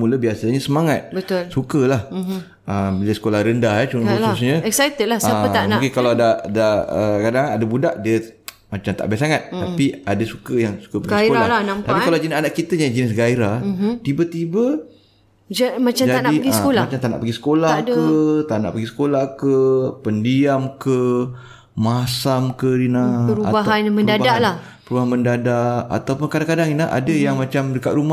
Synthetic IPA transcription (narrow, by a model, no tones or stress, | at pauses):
muləbiasaɲəsəmaŋat̪̚bət̪ʊlsukəlah | əbiləsə̥kolahɾəndaɦat͡ʃuususɲə̃ɛksajt̪ədlasəanãkɪnkalaadadaəkadaŋadabudaʔdiə | mat͡ʃamt̪a̰ʔbasaŋat̪̚ːapiadasukəjaŋsu̥kəpaɡɡaskoɾalanamt̪apikkalad͡ʒənisanaʔkit̪əɲad͡ʒənɪs̬ɡaiɾat̪ibət̪ibə | d͡ʒamat͡ʃamd͡ʒadnaiɡisəkolamat͡ʃamt̪ana̰ʔpaɡisə̥kolahdkət̪ana̰ʔpaɡisə̥kolahkəpəndiamkə | masamkədinaəɾuatbaɦ̪aanmə̃ndabadala | pəɾubaɦanməndadaʔa̰t̪awpʊnkadaŋkadaŋinlaʔa̰dəjaŋmat͡ʃamdəkat̪̚ɾuma